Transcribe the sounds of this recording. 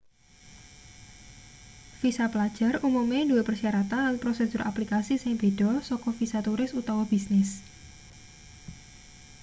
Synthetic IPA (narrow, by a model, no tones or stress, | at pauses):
fisaplad̥ʒ̥a̤rumumeduepərsiaɾat̪anlanpɾosesʊɾʔaplikasisɪŋb̥e̤ɖ̥ɔsɔkɔfisat̪uɾɪsut̪awɔb̥isnɪs